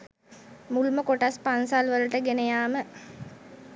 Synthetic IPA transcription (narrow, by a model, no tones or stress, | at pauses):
mulməkoʈaspansalʋəlʈəɡenejaːmə